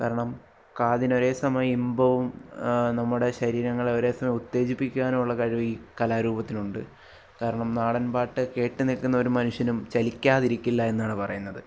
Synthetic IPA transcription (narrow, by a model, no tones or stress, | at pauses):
kaːɾɐɳɐm | kaːðino̞ɾe̞ːsɐmɐjɐimbɐʋumnɐmːuɽe̞ɕɐɾiːɾɐŋːɐɭeo̞ɾe̞ːsɐmɐjɐut̪ːe̞ːd͡ʑipːikʲːaːnuɭːɐkɐɻiʋɐiːkɐlaːɾuːbɐt̪ːinuɳɖɨ | kaːɾɐɳɐmnaːɽɐnbaːʈːɨke̞ːʈːɨnilkunːɐo̞ɾumɐnuɕjɐnumt͡ɕɐlikʲːaːðiɾikʲːilːɐe̞nːaːɳɨpɐrɐ̰junːɐðɨ